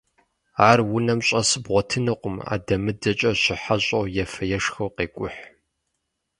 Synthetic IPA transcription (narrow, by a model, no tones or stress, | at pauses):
aːrwʊnɐmɕʼɐsɨbʁʷɔtʰɨnɨqʷʼʊma̰ːdɐmɨdɐt͡ʃʼɐɕɪħaɕʼɐwjɛfɐjɛʂxɐwqeːkʷʼʊħ